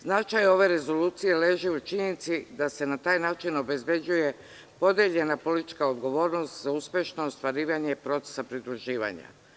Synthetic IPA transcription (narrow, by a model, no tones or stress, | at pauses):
znat͡ʃajo̞ʋe̞ɾe̞zo̞luːt̪sije̞le̞ːʒeut͡ʃiɲenit̪sid̪ase̞nat̪aːjnaːt͡ʃino̞be̞zbe̞d͡ʑuje̞ | po̞d̪jeʎe̞napo̞lit̪i̥t͡ʃkaod̪ɡo̞ʋo̞ːɾnost̪zauspʲje̞ʃno̞ːst̪ʋaɾiːʋaɲe̞pɾo̞t̪se̥sapɾid̪ɾuʒiːʋa̰ɲa̰